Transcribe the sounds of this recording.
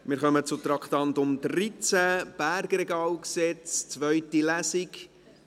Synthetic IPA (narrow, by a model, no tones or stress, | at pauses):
mɪɾχœmət͡sʊt̪ɾɑkt̪ɑnt̪ʊmdrit͡sæb̥æɾɡɾɛɡɑːwksɛt͡st͡sʋœɥtilæsik